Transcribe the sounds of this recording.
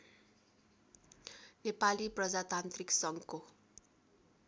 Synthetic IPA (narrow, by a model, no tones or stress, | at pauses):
nepaliprʌd͡zat̪ant̪riksʌŋko